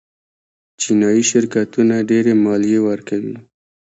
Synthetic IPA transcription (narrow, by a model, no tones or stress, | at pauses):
t͡ʃinɑjiʃɪɾkat̪unaɖeɾemɑlijewəɾkawḭ